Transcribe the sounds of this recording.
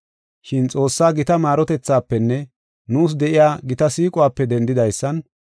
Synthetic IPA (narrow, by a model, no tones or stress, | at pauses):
ʃɪnt͡sʼo̞ːsːaːɡɪt̪ɐmaːɾɔt̪ɛt͡sːaːpːɛnːɛ | nuːs̬d̪ɛʔɪjaːɡɪt̪ɐsiːkʼʊwaːpːɛd̪ɛnd̪ɪd̪ɐjsːɐn